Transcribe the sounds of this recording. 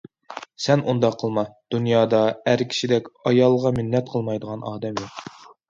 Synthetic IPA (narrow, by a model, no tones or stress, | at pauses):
sɛnʔund̪ɑqʰːəlˠmɑd̪̥unjɑːd̪ɑæɾkʲʰi̥ʃid̪ɛkʲɑjɑlˠʁɑmɪnːɛt̪̚qʰəlˠmɑjd̪əʁɑnɑːd̪ɛmjoq